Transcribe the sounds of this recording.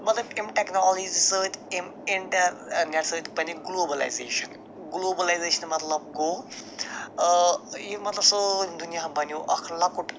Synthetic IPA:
mɐt̪lɐbimʈeknɔːld͡ʒizisəːt̪imɪɳʈɐɾneʈsəːt͡ʃ̪bɐniɡloːbɐla̰jzḛːʃɐn | ɡloːbɐlajzeːʃɐnmɐt̪lɐb̚ɡoː | jimɐt̪lɐbsod̪unijaːbɐnjoʔɐkʰlɐkuʈ

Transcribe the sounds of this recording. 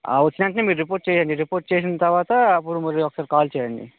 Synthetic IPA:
a̰ʋɐt͡ʃːinɐɳʈɐnemiːɾuɾipoːʈ̚t͡ʃeːjaːɳɖiɾipoːɾʈ̚t͡ʃeːs̬inɐt̪ɐɾʋaːt̪ɐːpːuɾumɐɾiɔkːɐsaːɾikaːlt͡ʃɛːjɐɳɖḭ

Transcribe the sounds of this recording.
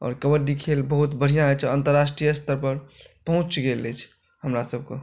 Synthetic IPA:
ɔ̰ːɾkəbəʈɖikʰelbəɦut̪bəɽ̤ijãet͡ʃʰənt̪əɾːasʈɾijəst̪əɾpəɾpəɦũt͡ʃɡelːɛt͡ʃʰ | həmɾasəb̚ke

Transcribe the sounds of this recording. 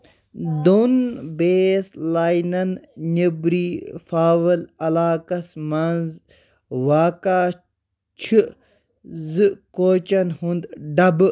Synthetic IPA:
d̪unbeːslaːjnɐnnebɾiːfaːʋɐlɐlaːkɐsmɐnz | ʋaːkaː | t͡ʃʰi | zɨkoːt͡ʃɐnhund̪ɖɐbɨ

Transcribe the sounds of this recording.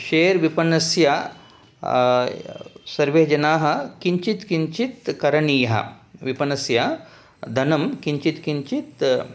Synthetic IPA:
ʃeːɾʋipɐnɐsja | sɐɾʋeːd͡ʒɐnaːɦɐ̆kiɲt͡ʃit̪kiɲt͡ʃit̪̚kɐɾɐɳiːɦɐ̰ʋipɐnɐsja | d̪ʱɐnɐmkiɲt͡ʃit̪kiɲt͡ʃit̪

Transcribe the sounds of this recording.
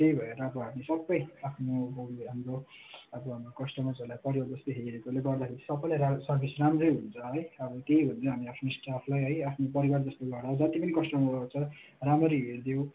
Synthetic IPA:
t̪ejbʱʌeɾʌːbʌɦamisʌbːʌjapʰnoboɡɦamɾo | ʌbʌɦamokʌsʈʌmad͡zʌlajpʌɾijald͡zʌst̪oɦeɾiɾekoleɡʌrd̪akʰeɾisʌbːʌjlajɾasʌrbʰʱisramrʌjɦunt͡sʰʌɦʌjʌbʌt̪ejɦunt͡sʰʌɦamiapʰnosʈapʰulajɦʌjapʰnopʌɾiward͡zʌst̪oɡʌrd̪aod͡zʌt̪ipʌnikʌsʈʌmat͡sʰʌ | ramʌɾiɦerd̪jew̃

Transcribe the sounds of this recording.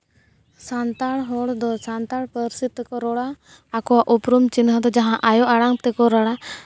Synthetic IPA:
sant̪aɽɦɔɽd̪ɔsant̪aɽpəɾsit̪ːkɔɾɔɽaː | kɔwaʔupɾumt͡ʃinɦəd̪ɔd͡ʒaɦãʔajɔaɽaŋt̪ɛkɔɾɔɽa

